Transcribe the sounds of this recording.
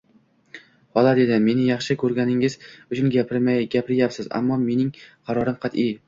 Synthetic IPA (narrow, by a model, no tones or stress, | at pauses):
hɒlˠad̪e̞d̪ɪme̞nɪjɑχʃɪkʰɵɾɡʲanɪŋɪz̥ʊt͡ʃʰʊnɡʲapʰɪɾmajɡʲapʰɪɾjapsɪza̰mːɒme̞nɪŋqʰɑɾɒɾɪmqʰɑt̪ɪj